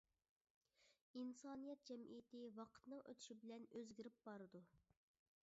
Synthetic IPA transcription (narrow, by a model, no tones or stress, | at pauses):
insɑːnijɛt̪̚d͡ʒɛmʔḭjɪt̪ʰɪwɑqʰə̥t̪nɨŋø̰t̪ʰy̥ʃibɪlɛnøzɡʲiɾɪp̚bɑɾɨd̪u